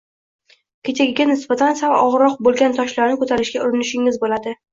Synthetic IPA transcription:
kʲʰe̞t͡ʃaɡʲɪɡʲanɪsbat̪ʰansavaʔɒʁɾɒq̚bolˠɡʲant̪ʰɒʃlaɾnɪkʰɵt̪ʰaɾɪʃɡʲaʊɾɪnɪʃɪŋɪzbolad̪ɪ

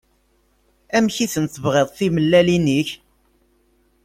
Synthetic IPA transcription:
æmçiθənt̪əvʁeðˤθiməlːæliniç

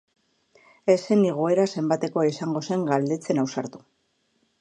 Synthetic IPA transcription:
e̞seniɣ̞oe̞ɾase̞mbat̪e̞ko̞isaŋɡo̞se̞ŋɡald̪e̞t͡se̞nawsaɾt̪u̥

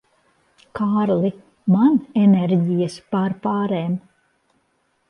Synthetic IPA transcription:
kʰaɾlˠi | maneneɾɟijaspaɾpaːɾeːm

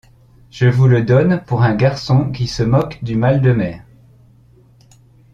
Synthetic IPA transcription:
ʒ̥əvuləd̪ɔnpuʁɛ̃ɡaʁsɔ̃kʲisəmɔkd̪ymald̪əmɛːʁ

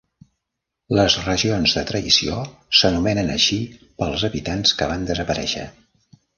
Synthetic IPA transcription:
ləzrəʒionzðət̪ɾəisiosənumɛnənə̰ʃi | pəlˠzəβit̪anskəβand̪əzəpəɾɛ̰ʃə̰

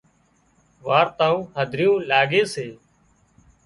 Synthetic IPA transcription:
ʋaːɾt̪aːũːɦəd̪ʱɾɪjõːlaːɡeːseː

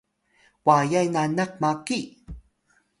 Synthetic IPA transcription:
wajajnanak̚maki

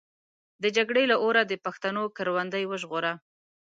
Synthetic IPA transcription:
d̪əd͡ʒaɡɽelaʔoɾad̪əpaxt̪anokaɾwand̪əjwəʒɣoɾa

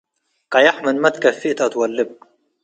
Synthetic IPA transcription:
qɑjaħmɪlmat̪kafːiʔt̪ʔat̪walːɪb̚

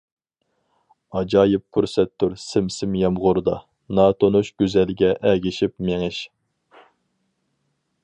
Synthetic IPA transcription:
ɑd͡ʒɑːjɪp̚ːʰuɾsɛt̪ʰːuɾsɪmsɪmjɛmʁʊɾd̪ɑ | nɑːt̪ʰonuʃɡ̥ʲyzɛlɡʲɛʔɛɡʲɪʃipmeŋɪʃ

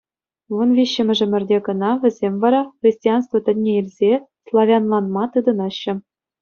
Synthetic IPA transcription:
vunvʲiɕːɘ̆mʲɘ̆ʐɘ̆mʲɘ̆rʲdʲeɡɤ̆nɑʋʲɘ̆zʲemʲvɑɾɑχrʲisʲtʲijɑnst̪vot̪ʲɘ̆nʲːeilʲzʲeslˠɑvʲɑnlˠɑnmɑt̪ɯd̪ɤ̆nɑɕːɘ̆

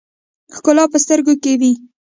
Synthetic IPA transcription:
xkʊlɑpəst̪əɾɡokewi

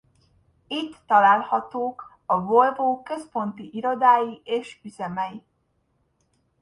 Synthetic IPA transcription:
it̪ːɒlaːlhɒt̪oːk | ɒvo̞lvoːkø̞spo̞nt̪iʔiɾo̞d̪aːjieːʃyzɛmɛji

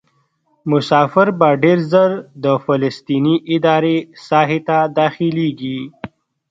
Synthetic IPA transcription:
mʊsɑːfɪɾbaɖeɾzəɾd̪əfɪləst̪iniʔɪd̪ɑːɾesɑːɦet̪ad̪ɑːxileɡi

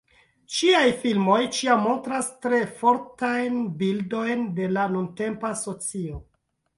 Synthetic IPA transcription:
t͡ʃiajfilmo̞jt͡ʃiamːo̞ntɾastɾe̞fo̞ɾtajnbildo̞jnde̞lanunte̞mpaso̞t͡sio

